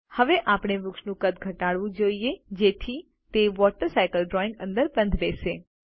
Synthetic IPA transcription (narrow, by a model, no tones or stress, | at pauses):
həʋeʔapɽ̃eʋʊkʃnũkət̪ɡʱəʈaɽʋũd͡ʒoijed͡ʒet̪ʰi | t̪eʋɔʈəɾsajkəlɖɾɔɪ̃ŋɡə̃nd̪əɾbənd̪ʱʋeʃe